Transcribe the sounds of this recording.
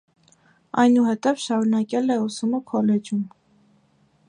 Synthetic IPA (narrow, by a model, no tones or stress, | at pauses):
ɑ̰jnuhɛt̪ɛvʃɑɾunɑkɛlɛusuməkʰɔlɛd͡ʒum